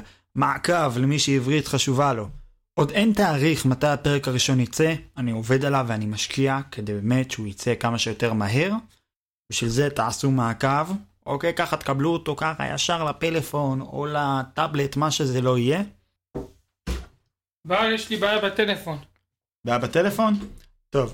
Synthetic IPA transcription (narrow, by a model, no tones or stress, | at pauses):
maʕakavlemiʃeivʁitχaʃuvalo̞ | ʔo̞de̞ntaːʁiχmatajape̞ʁekaʁiʃo̞njit͡seanio̞ve̞dalavːeanimaʃkʰiake̞d̪e̞jbeme̞tʃeujit͡se̞kamaʃe̞jo̞te̞ʁmaɦe̞ʁ | biʃvilze̞t̪aʕasumaːkavʔo̞ke̞jkaχat̪ekabluot̪o̞kaχa̰ja̰ʃaʁlape̞le̞fo̞no̞̰lat̪able̞tmaʃe̞zelo̞ije̞ | bajeʃlibajabat̪elefon | bajabat̪elefo̞n | to̞v